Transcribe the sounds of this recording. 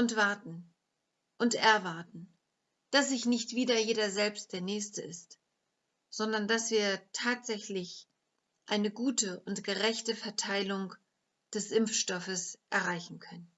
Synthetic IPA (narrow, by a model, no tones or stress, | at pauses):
ʔʊntv̥aɐtn̩ | ʔʊntʔɛɐvaɐtn̩ | d̥as̬zɪçnɪçtv̥iːdɐjeːdɐzɛlpst̚d̥eːɐnɛːçstəɪst | z̥ɔndɐndasv̥iːɐtʰaːtz̥ɛçlɪç | ʔaɪnəɡuːtəʔʊntɡ̥əʁɛçtəfɛɐtʰaɪlʊŋ | d̥ɛsʔɪmfʃtɔfəsʔɛɐʁaɪçn̩kʰœnən